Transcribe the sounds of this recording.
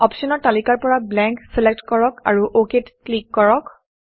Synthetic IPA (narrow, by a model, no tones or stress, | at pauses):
ɔpsɔnɔɹtalikaɹpɔɹablɛ̃ŋksilek̚tkɔɹɔka̰ɹuʔoketklikːɔɹɔk